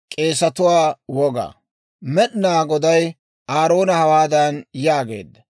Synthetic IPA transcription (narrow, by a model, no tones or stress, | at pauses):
kʼe̞ːsɐt̪ʊwaːwɔɡa̰ː | mɛɗnaːɡɔd̪ɐj | aːɾo̞ːnɐhɐwaːd̪ɐnjaːɡe̞̰ːd̪ːɐ